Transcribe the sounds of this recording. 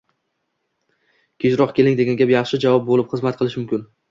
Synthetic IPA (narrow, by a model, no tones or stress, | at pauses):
kʲʰet͡ʃɾɒqkʲʰe̞lɪŋd̪e̞ɡʲanɡʲapjɑχʃɪd͡ʒavɒp̚bolɪpχɨzmat̪̚qʰɨlˠɪʃmʊmkʲɪn